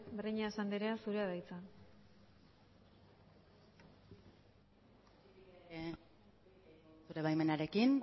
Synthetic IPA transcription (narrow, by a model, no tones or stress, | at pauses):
beriɲasand̪eɾeasuɾe̞aðajt͡san | suɾe̞βajme̞naɾe̞kin